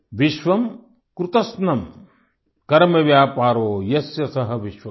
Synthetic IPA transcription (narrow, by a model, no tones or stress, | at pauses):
ʋiʃʋɐm | kɾut̪ɐsnɐm | kɐɾmɐʋjaːpaːɾoːjɐsjɐsɐɦɐ̆ʋiʃʋɐ